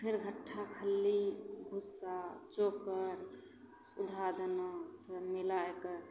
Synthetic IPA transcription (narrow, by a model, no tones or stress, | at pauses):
pʰeɾɡʱəʈʰːakʰəlːibʱusat͡ʃokəɾ | sud̪ʱad̪ənosəmilaekəɾ